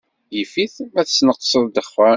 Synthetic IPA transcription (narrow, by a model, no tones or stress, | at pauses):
jifiθmæθət͡sːnəqːsˤəðˤd̪əχfə